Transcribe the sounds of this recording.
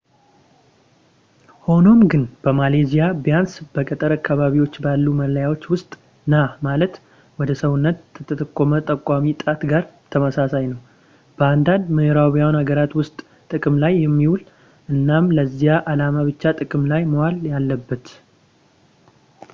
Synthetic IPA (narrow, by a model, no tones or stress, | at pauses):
ho̞no̞mɡɨnb̥əmalezijabjansb̥əkʼət̪ʼəɾakːaβaβiwo̞t͡ʃːbalːumələjawo̞t͡ʃːwʊst̪ʼ | namalət̪ | wɔd̪əsəwʊnːət̪ʰːət̪ʰət̪ʰəkʼːomət̪ʼəkʼamit̪ʼat̪ɡaɾt̪ʰəməsasajnəw | b̥əand̪and̪mɨhɾawijawnaɡəɾat̪wʊst̪ʼ | t̪ʼɨkʼɨmlajːɛmːiwul | ʔɨnːamləzːijaʔalamaβɨt͡ʃːat̪ʼɨkʼɨmlajməwaljalːəbːət̪